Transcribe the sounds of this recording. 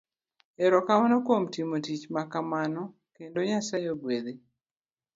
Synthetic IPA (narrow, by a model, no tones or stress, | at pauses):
eɾɔkamanɔkwomtimotit͡ʃmakamanɔ | kendoɲasajoɡwed̪e